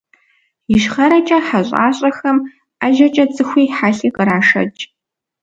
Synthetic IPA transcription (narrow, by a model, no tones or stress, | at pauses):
jɪʃχɐɾɐt͡ʃʼɐħaɕʼa̰ːɕʼɐxɐm | aʒɐt͡ʃʼɐd͡zʼɨxʷiːħaɬiːqʼəɾaːʂɐ̰t͡ʃʼ